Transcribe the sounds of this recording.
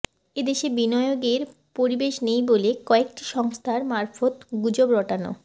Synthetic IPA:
ed̪eʃebinɔeoɡeɾ | poɾibeʃnejbolekɔek̚ʈiʃɔŋst̪ʰaɾmaɾfot̪ɡud͡ʑobɾɔʈano̰

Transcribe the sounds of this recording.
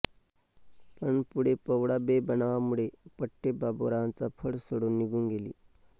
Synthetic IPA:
pəɳpuɽepəʋɽabebənaʋamuɭepəʈːebaboɾaant͡sapʰəɽsoɽuːnːiɡʱuːnɡelḭː

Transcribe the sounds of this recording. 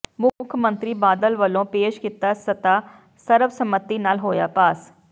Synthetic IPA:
mʊkʰmənt̪ɾiːbaːd̪əlʋəlõːpeːʃkɪt̪aːsət̪aː | səɾəfsəmət̪ːiːnaːlɦoːja̰ːpaːs

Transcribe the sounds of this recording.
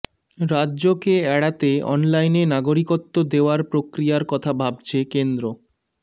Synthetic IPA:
ɾadːʑokeɛɽat̪eɔ̰nlajnenaɡoɾikot̪ːod̪eoaɾpɾokɾijaɾkɔt̪ʰabʱab̚t͡ɕʰekend̪ɾo

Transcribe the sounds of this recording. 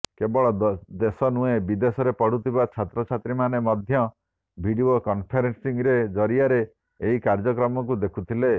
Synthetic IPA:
kebɔɭɔd̪esɔnuebid̪esɔɾepɔɽ̤ut̪ʰibat͡ʃʰat̪ɾɔt͡ʃʰat̪ɾimanemɔd̪ʱjɔ | bʱiɖiokɔnpʰeɾensiŋɾed͡ʒɔɾiaɾeː | ɦikaɾd͡ʒɔk̬ɾɔmɔk̬ud̪ekʰut̪ʰile

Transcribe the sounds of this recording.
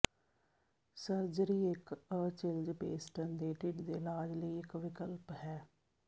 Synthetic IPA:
səɾd͡ʒɾiːɪkət͡ʃɪld͡ʒpeːsʈənd̪eːʈɪʈd̪eːlaːd͡ʒləiːɪkʋɪkəlpɦɛː

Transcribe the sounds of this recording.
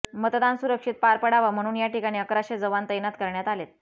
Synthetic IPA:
mət̪d̪ansuɾəkʂiːt̪̚paɾpəɽaʋam̤əɽ̃uːnjaʈikaɽ̃iːəkɾaɕed͡zəʋant̪əjnat̪kəɾɳjat̪alet̪̚

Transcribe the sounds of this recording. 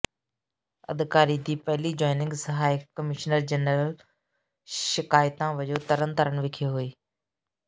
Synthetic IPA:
ɐ̰d̪ɪkaːɾid̪iːpɐɦɪlid͡ʑɔːɪnɪ̃ŋɡsəɦaːɪkːəmɪʃnəɾd͡ʑənəɾəl | ʃɪkaːɪt̪ãːʋɐd͡ʒoːt̪əɾənt̪əɾənʋɪkʰeɦuiː

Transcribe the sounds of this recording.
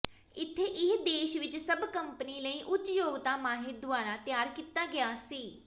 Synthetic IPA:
ɪt̪ʰːeːʔɪɦd̪eːʃʋɪt͡ʃsəbkəmpəniːləiːʔʊtt͡ʃjoːɡt̪aːmaːɦɪd̪ʊaːɾaːt̪ɪjaːɾkiːt̪aːɡɪjaːsiː

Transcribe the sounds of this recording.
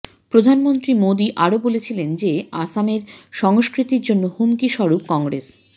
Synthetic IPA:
pɾod̪ʱanmont̪ɾimod̪iʔaɾobolet͡ɕʰilend͡ʑeasameɾʃɔŋoskɾit̪iɾd͡ʑonːohumkiʃɔɾup̚kɔŋɡɾḛs

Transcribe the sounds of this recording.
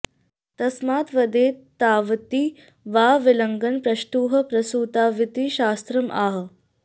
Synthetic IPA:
t̪ɐsmaːt̪ʋɐd̪eːt̪aːʋt̪iː | ʋaːʋɪlɐŋɡənpɾɐʂʈ̪uːɦɐ̆pɾɐsuːt̪aːʋit̪iʃaːst̪ɾɐmʔaːɦ

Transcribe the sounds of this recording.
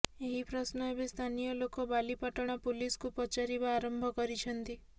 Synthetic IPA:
eɦipɾɔsnɔebest̪ʰanijɔlokobalipaʈɔɽ̃apuliskupɔt͡ʃaɾibaːɾɔmbʱɔkɔɾit͡ʃʰɔnt̪i

